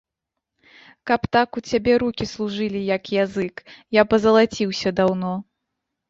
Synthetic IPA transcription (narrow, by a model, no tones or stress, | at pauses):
kɐpt̪akut͡sʲabʲɛɾukʲislˠuʐɨlʲijɐkjazɨkjapɐzɐlˠat͡sʲiwsʲɐd̪awnɔ